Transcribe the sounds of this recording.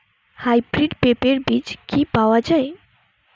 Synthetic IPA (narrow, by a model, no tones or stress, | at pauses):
hajbɾiɖpepeɾbit͡ʃkipawad͡ʒaj